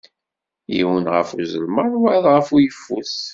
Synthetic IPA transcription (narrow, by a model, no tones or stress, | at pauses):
jḭwənʁə̰fuzəlməɾˤwʕðʁəfujəfːus